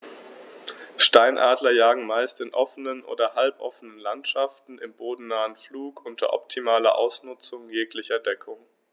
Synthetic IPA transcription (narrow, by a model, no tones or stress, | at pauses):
ʃtaɪnʔaːdlɐjaːɡŋ̩maɪstɪnʔɔfənənʔo̰ːdɐhalpʔɔ̰fənənlantʃaftn̩ɪmboːdn̩naːənfluːkʔʊntʰɐ̰ʔɔ̰p̚tʰimaːlɐ̰ʔa̰ʊsnʊt͡sʊŋjeːklɪçɐdɛkʰʊŋ